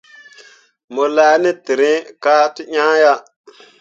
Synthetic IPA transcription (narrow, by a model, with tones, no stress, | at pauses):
mo˨la˦ni˦ti˨ɾi˦ka˦ti˦ɲã˦ja˦